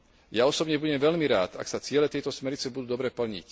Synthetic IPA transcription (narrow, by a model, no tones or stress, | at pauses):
jaɔsɔbɲɛbuɟɛmʋɛʎmiɾaːt̪a̰ksat͡sɪɛlɛt̪ɛjt̪ɔsmɛɾɲit͡sɛbud̪uːd̪ɔbɾɛpl̩ɲḭc